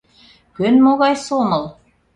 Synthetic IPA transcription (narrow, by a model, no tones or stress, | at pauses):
kɵnmoɣɑjsomɤ̆lˠ